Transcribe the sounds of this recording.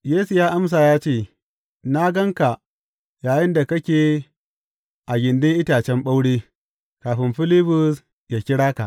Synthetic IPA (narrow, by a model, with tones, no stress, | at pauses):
jeː˦su˨jaː˦ʔa˦ms̬aː˨jaː˦t͡ʃeː˦˨ | na˦ɡɐ˦ŋka˨ | jaː˨jɪ˦nda˨kɐ˦kʲeː˨ | ʔa˨ɡʲɪ˨ndɪ˦ŋʔɪ˦taː˨t͡ʃɛ˦mɓa˦wɽeː˦ | kaː˨ɸɪ˦mɸɪ˦lɪ˦ɸʊ˨s | jaː˨kʲɪ˦ɽaː˦ka˨ʔ